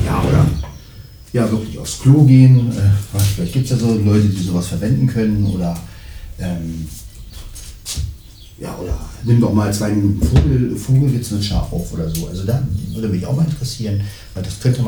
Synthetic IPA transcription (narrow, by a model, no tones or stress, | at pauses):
ja̰ːʔo̰ːdɐ̰ | jaːvɪɐklɪça̰ʊfskl̥oːɡeːənʔɛːfafɪlaɪçt̚dɡ̥iːptsdaːzoːlɔʏtədiːzoːvasfɛɐvɛndn̩kʰœnənʔoːdɐʔɛːm | ja̰ːʔo̰ːdɐ̰nɪmda̰ʊxmaːlt͡sv̥aɪminuːtn̩foːɡl̩foːɡl̩ɡɪtsməʃa̰ːfa̰ʊfʔoːdɐzoːʔalzodaːvɪɐdəmɪçʔa̰ʊmaːlɪntəʁɛsiːʁən | vaɪldaskʰœntəm